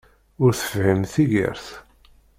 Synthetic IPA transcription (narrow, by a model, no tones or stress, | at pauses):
ʊɾθə̥fhəmθiʝə̰ɾθ